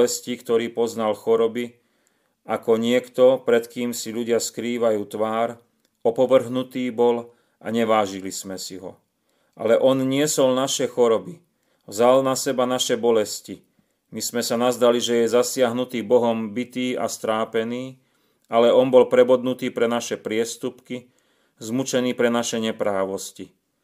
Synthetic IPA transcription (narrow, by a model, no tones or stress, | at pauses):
ɛscikt̪ɔɾiːpɔznalxɔɾɔbi | ʔakɔɲɪɛkt̪ɔpɾɛt̪kiːmsiʎuɟɪaskɾiːʋajuːt̪ʋaːɾ | ɔpɔʋr̩ɦnut̪iːbɔl | ʔa̰ɲɛʋaːʒilismɛsiɦɔ̰ | ʔa̰lɛʔɔnɲɪɛsɔlnaʃɛxɔɾɔbi | ʋzalnasɛbanaʃɛbɔlɛsci | mismɛsanazd̪aliʒɛjɛzasɪaɦnut̪iːbɔɦɔmbit̪iːa̰st̪ɾaːpɛniː | alɛɔnbɔlpɾɛbɔd̪nut̪iːpɾɛnaʃɛpɾɪɛst̪upki | zmut͡ʃɛniːpɾɛnaʃɛɲɛpɾaːʋɔsci